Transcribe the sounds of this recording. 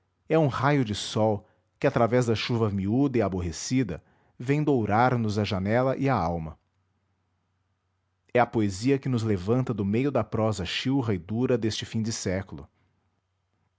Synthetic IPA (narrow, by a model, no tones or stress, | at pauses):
ɛũhajʊd͡ʒɪsɔw | kɪat̪ɾavɛzd̪ɐʃuvɐmiud̪ɐɪaboɦesid̪ɐ | vẽj̃d̪owɾaɾnʊzɐʒanɛlɐʔɪaawmɐ | ɛɐpoeziɐkɪnʊzlevɐ̃nt̪ɐd̪ʊmejʊd̪ɐpɾɔzɐʃiwɦɐɪd̪uɾɐd̪est͡ʃɪfĩd͡ʒ̪ɪsɛkʊlʊ̰